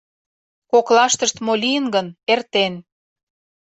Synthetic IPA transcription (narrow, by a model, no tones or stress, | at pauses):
koklɑʃt̪əʃt̪molʲijənɡənert̪en